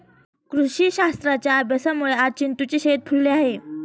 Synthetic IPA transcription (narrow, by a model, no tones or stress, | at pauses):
kɾuɕiːɕast̪ɾat͡ɕjaːbjəsamuɭeat͡ɕint̪ut͡ɕeɕet̪̚pʰuɭleaɦe